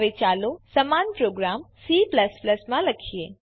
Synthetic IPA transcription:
ʋet͡ʃalosəmanpɾoɡɾamsipləspləsmãləkʰije

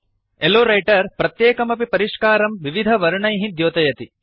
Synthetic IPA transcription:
eloːɾɐjʈɐɾpɾɐt̪jeːkɐmɐpipɐɾiʂkaːɾɐmʋiʋid̪ʱɐʋɐɾuɳɐjɦid̪joːt̪ɐjɐt̪i

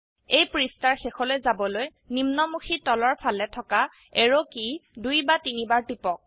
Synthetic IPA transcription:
ejpɹistaɹxexɔlojzabɔloj | nimnɔmuxʰitɔlɔɹpʰalɛtʰɔka | eɹokidujbatinibaɹtipɔk̚

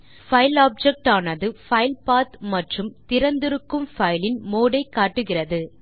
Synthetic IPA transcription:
fɐɪlaːb̚d͡ʒɛk̚ʈaːnɐðɯfɐɪlpaːt̪mɐʈrɯmt̪ɪɾɐnd̪ɪɾɯkːɯmfɐɪlɪnmoːɽɐɪkːaːʈːɯɣɪrɐðɯ

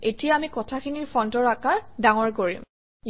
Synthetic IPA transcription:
etijaːmikɔtʰakʰiniɹpʰɔntɔɹakaɹdaŋɔɹkoɹḭm | j

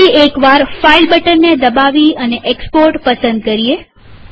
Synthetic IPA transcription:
iekʋaɾfailbəʈəɾned̪əbaʋiəneʔekspoɾʈpəsənd̪̚kəɾie

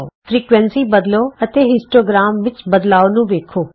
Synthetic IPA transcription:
fɾiːkʋɛ̃nsibɐd̪loɐt̪eɦɪsʈoːɡɾaːmʋɪt͡ʃbɐd̪laːonũʋeːkʰoː

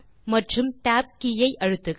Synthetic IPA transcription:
mɐʈrɯmʈaːp̚kijɐɪʔɐɻɯt̪ːɯk

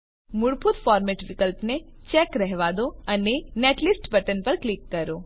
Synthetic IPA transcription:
mʊɽpʰut̪fɔɾmɛʈʋikəlpnet͡ʃɛkɾɛɦʋad̪oəneneʈlisʈbəʈənpəɾklikːəɾo

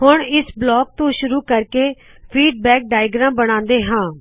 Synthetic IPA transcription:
hʊɳɪsblɔːk̚t̪õːʃʊɾuːkəɾkeː | pʰiːɖbɛːk̚ɖaːɪɡɾãːbəɽ̃ãːnd̪eːɦãː

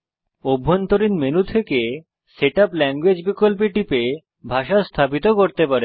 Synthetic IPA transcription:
obʱːont̪oɾinmenut̪ʰeke | seʈaplɛŋɡwed͡ʑbikolp̬iʈipe | bʱaʃast̪ʰapit̪okoɾt̪epaɾe

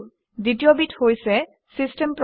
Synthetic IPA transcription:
ditiobithojsɛ | sisʈɛmpɹ

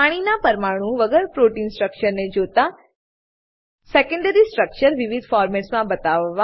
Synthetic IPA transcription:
aːɽ̃inapɐɾmaːɽ̃ũʋɐɡɛːɾpɾoːʈiːnsʈɾək̚ʃəɾnẽd͡ʒoːt̪a | seːkə̃ɳɖəɾisʈɾək̚t͡ʃəɾʋɪʋɪd̪ʱfaːɾmeːʈsmãbɐt̪aːʋʋa

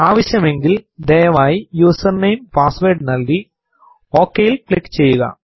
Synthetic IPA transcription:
aːʋɐɕjɐmɛŋɡɪld̪eːjɐʋaːjjuːsɐɾnɐjmpaːsʋeːɖnɐlːi | oːkːejɪlkɭɪkːt͡ɕɛjːɯɣɐ̰

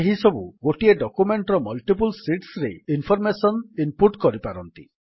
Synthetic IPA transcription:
eɦisɔbuɡoʈieɖɔkumeɳʈɾɔmɔlʈip̬ulsiʈsɾeinpʰɔɾmesɔnimpuɾʈkɔɾipaɾɔnt̪ḭ

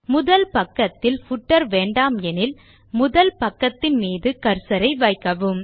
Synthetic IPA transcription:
mʊðɐlpɐkːɐt̪ːɪlfʊʈːɐɾʋeːɳɖaːmɛnɪl | mʊðɐlpɐkːɐt̪ːɪnmiːðɯkɐɾsɐɾɐɪʋɐɪkːɐʋɯm

